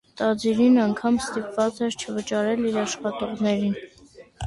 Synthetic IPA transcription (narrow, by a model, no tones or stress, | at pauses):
t̪ɑd͡ziɾinɑŋkʰɑmst̪ipvɑt͡sɛɾt͡ʃʰəvət͡ʃɑɾɛliɾɑʃχɑt̪ɔʁnɛɾin